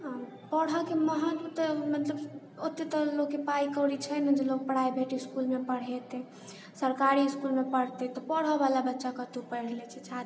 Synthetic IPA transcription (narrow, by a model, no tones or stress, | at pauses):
pəɽ̤ɔkeməɦãt̪ut̪mət̪ləb | ot̪ːet̪ɔlokːepaikəɾit͡ʃʰɛnəd͡ʒelok̚pəɽ̤aibʱeʈiskulmepəɽ̤ɛt̪ɛ | səɾkaɾiskulmepəɽ̤t̪ɛt̪ɔpəɽ̤ɔbalabətːʃakət̪upəɽ̤lɛt͡ʃʰɛt͡ʃʰad̪